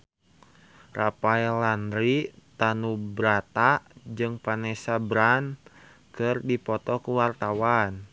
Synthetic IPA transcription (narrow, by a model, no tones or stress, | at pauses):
rapaɛland̪ɾit̪anubɾat̪ad͡ʒɨŋpanɛsabɾan | kɨrdipɔt̪ɔkuwart̪awan